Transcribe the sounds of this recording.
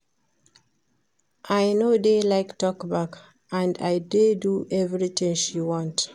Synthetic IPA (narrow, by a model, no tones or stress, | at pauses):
ʔajnodelaɪktɔkbak | ãndajdeduʔɛvɹit̪ĩŋʃiwɔ̃nt